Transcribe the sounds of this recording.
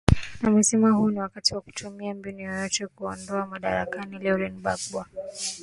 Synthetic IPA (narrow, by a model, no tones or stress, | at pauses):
namɛsɛmahuːniwakatiwaku̥tʰumiambiniɔjɔt͡ʃɔkuɔndɔamaɗa̰ɾakanilɛɾinɓakɓwa